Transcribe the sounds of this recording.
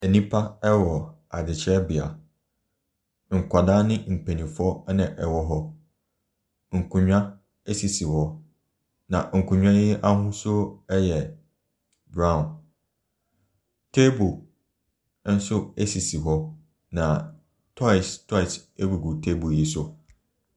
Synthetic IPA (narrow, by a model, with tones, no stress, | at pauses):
ɛ˨nĩ˦pʰa˦ɛ˦wɔ˨ | a˨dɪ˨t͡ɕʰɪ˦ɾɛ˦bi˨a̰˨ | ŋ̩˨kʷa˨da˦nɪ̃˦m̩˨pʰe˨nĩ˨fɔ˦nã˨ʔɛ˨wɔ˦ɦɔ˦ | ŋ̩˨kʰũ˨ɲᶣã˦ | e˦si˨si˨hɔ˦ | nã˨ŋ̩˨kʰũ˨ɲᶣã˦jɪ˦a˦ɦʊ̃˦sʊ˦ɛ˦jɛ˨ | bɾã˦˨n | tʰe˦bo˨ | n̩˦sʊ˦e˦si˨si˨ɦɔ˦ | nã˨ | tʰɔ˦ɪ˨stʰɔ˦ɪ˨se˦bu˨ɡu˨tʰe˦bu˨ji˦sʊ˦